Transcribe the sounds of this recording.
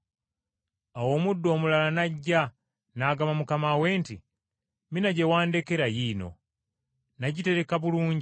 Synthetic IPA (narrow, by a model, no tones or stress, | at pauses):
awo̞ːmudːo̞ːmulalanaɟːa | naːɡamamukamawe̞ːnti | minaɟe̞waːnde̞ke̞ɾajiːno̞̰ | naɟite̞ɾe̞kaβuluːɲɟi